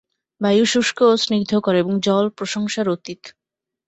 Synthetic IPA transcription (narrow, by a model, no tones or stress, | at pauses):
bajuʃuʃkoosniɡd̪ʱokɔɾeeboŋd͡ʑɔlpɾoʃoŋʃaɾot̪it̪